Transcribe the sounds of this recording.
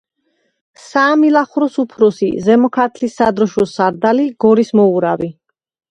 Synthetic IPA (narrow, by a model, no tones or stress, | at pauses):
saːmilaχuɾɔsupʰɾɔsḭzɛmɔkʰat̪ʰlisːad̪ɾɔʃwɔsaɾd̪aliɡ̥ɔɾismɔuɾavi